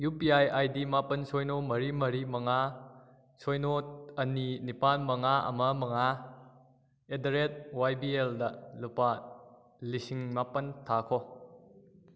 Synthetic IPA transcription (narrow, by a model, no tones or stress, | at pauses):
jupiajajdimapɐnsojnomɐɾimɐɾimɐŋa | sojnoɐninipanmɐŋaɐ̰mɐmɐŋa | edɐɾet̚wajbieldɐlupa | lisiŋmapɐntʰakʰo